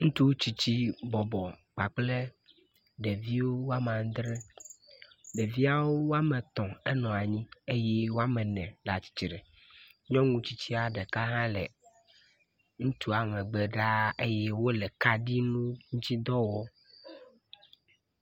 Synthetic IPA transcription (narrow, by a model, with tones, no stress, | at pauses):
ŋũ˦t̪u˦t͡ɕi˦t͡ɕi˦bɔ˨bɔ˨k͡pa˨k͡ple˦ | ɖe˨vi˦wo˦wo˦a˦mã˨ŋ˦d̪ɾe˦ | ɖe˨vi˦a˨wo˦wo˦a˦mɛ˨t̪ɔ̃˨ɛ˦nɔ̃˨a˨ɲĩ˦e˦je˦wo˦a˦mɛ˨nɛ̰̃˨ɖa˨t͡ɕi̥˨t͡ɕi˨ɖɛ˨ | ɲɔ̃˦ŋũ˦t͡ɕi˦t͡ɕi˦a˨ɖɛ˨ka˦ɦã˦lɛ̰˨ | ŋũ˦t̪u˦a˨mɛ̃˨ɡ͡be˨ɖa˦e˦je˦wo˦le˨ka˦ɖi˦nũ˦ŋũ˦t͡ɕi˦d̪ɔ˦wɔ˦